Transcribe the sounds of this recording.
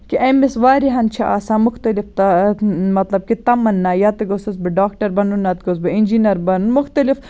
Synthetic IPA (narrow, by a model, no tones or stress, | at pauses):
kiʔɐmisʋaːɾiɦɐnt͡ʃʰɐʔa̰ːsaːmʊxt̪ɐlift̪ɐmɐt̪lɐb̚kit̪ɐmɐnːaːjat̪ɐɡosɐs̬bɐɖaːkʈɐɾbɐnunːaːt̪ɡos̬bɐind͡ʒinɐɾbɐnunmuxt̪ɐlif